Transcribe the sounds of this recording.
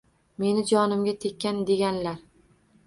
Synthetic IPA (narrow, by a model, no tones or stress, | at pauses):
me̞nɪd͡ʒɒnɪmɡʲat̪ʰekʲːand̪e̞ɡʲanlaɾ